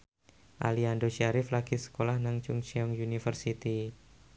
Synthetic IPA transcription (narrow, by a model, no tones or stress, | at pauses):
ʔa̰liandoʃiaɾɪflaɡ̥isə̥kolahnaŋt͡ʃʊŋt͡ʃiɔŋjunifərsit̪i